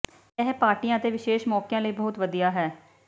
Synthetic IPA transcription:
ɛɦpaːɾʈijãːət̪eːʋɪʃeːʃmɔːkjãːləiːbəɦʊt̪ʋəd̪ijaːɦɛː

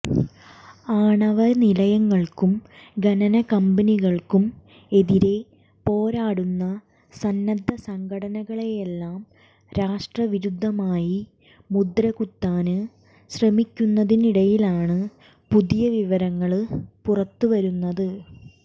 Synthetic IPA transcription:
aːɳɐʋɐnilɐjɐŋːɐɭkumɡɐnɐnɐkɐmbɐniɣɐɭkum | e̞ðiɾe̞ | po̞ːɾaːɽunːɐ | sɐnːɐd̪ʱːɐsɐŋɡʱɐɽɐnɐɣɐɭejelːaːm | ɾaːʂʈrɐʋiɾud̪ʱːɐmaːji | mud̪ɾɐɣut̪ːaːnɨ | ɕrɐmikʲːunːɐðiniɽɐjilaːɳɨ | puðijɐʋiʋɐɾɐŋːɐɭpurɐt̪ːuʋɐɾunːɐðɨ

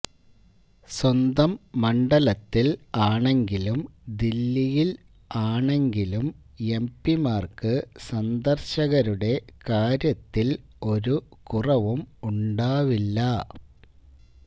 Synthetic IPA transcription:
swɐnd̪ɐmːɐɳɖɐlɐt̪ːilaːɳe̞ŋɡilumd̪ilːijil | aːɳe̞ŋɡilum | e̞mpːimaːrkɨsɐnd̪ɐrɕɐɣɐɾuɽe̞kaːɾjɐt̪ːil | o̞ɾukurɐʋumuɳɖaːʋilːɐ

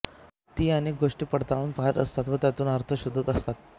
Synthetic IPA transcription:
t̪iːənek̚ɡoʂʈiːpəɽt̪aɭuːnpaɦət̪əst̪at̪ʋət̪jat̪uːnəɾt̪ʰəɕud̪ʱːət̪əst̪at̪̚

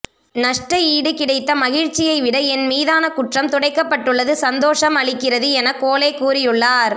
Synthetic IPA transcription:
nɐʂʈrɐiːɽɯkɪɽɐɪt̪ːɐmɐɣɪɻt͡ʃːɪjɐɪʋɪɽɐɛnmiːðaːnɐkʊʈrɐmt̪ɔɽɐɪkːɐpːɐʈːɯɭːɐðɯsɐnd̪oːʂɐmɐɭɪkːɪrɐðɯɛnɐkːoːleːkːuːɾɪjɯɭːaːɾ

